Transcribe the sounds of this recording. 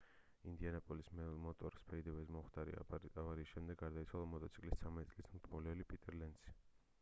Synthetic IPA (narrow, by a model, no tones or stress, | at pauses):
ind̪ianapʼɔlismɛmɔt̪ʼɔɾspʰɛid̪ɛvɛsmɔmχd̪aɾḭavaɾiːsʃɛmd̪ɛɡːaɾd̪ait̪sʰwalˠamɔt̪ʼɔt̪sʰi̥kʼlist̪sʰamɛt̪ʼitsʼlismt̪ʰɔlɛlipʼit̪ʼɛɾlɛnd̪si̥